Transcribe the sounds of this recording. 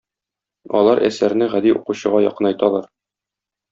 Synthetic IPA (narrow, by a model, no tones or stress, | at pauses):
ɒ̰lˠɑɾʔæ̰sæɾnɘʁæd̪iuquɕɤ̆ʁɑjɒ̰qɤ̆nɒjt̪ɑlˠɑɾ